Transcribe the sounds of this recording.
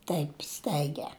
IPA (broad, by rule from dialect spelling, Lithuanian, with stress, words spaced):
ˈtɐɪp ˈstɐɪɡʲɛ